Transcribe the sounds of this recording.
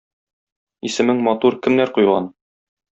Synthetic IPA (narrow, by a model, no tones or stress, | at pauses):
isɘ̆mɘŋmɒt̪uɾkɘ̆mnæɾqujʁɑ̰n